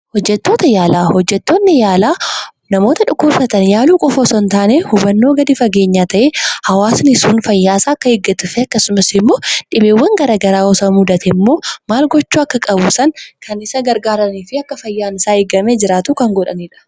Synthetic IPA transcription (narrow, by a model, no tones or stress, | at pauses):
hɔd͡ʒːɛt̪ːo̞ːt̪ɐjaːlaːhɔd͡ʒːɛt̪ːo̞ːnːɪjaːlaː | nɐmo̞ːt̪ɐᶑʊkːʊɾsɐt̪ɐnjaːluːkʼɔfɔsɔnt̪aːnehʊbɐnːoːɡɐd̪ɪfɐɡe̞ːɲːaːt̪ɐʔeːhɐwaːsnɪsuːnfɐjːaːsaːɐkːɐɪɡːɐt̪ʊfɛɐkːɐsʊmɐsɪmːo̞ːᶑɪbeːwːɐŋɡɐɾaɡɐɾaːɔsɐmʊd̪ɐt̪ʰɛmːo̞ːmaːlɡɔt͡ʃːuːɐkːɐkʼɐbuːsɐŋkʰɐnɪsɐɡɐɾɡaːɾɐniːfɪɐkːɐfɐjːaːnɪsaːɪɡɐmeːd͡ʒɪɾaːt̪ʊkɐŋɡɔᶑɐniːᶑɐ̥